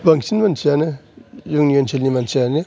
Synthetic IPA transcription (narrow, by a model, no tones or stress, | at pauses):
baŋsinmansʰianɯjuŋnijonsʰelnimansianɯ